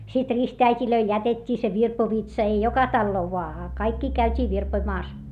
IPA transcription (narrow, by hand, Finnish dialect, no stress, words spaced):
sit ristæitʲiløil jætetʲːiː se ʋirpoʋitsɑ ei jokɑ tɑlːoː ʋoɑ ɑ kɑikːi kæytʲiː ʋirpoĭmɑːs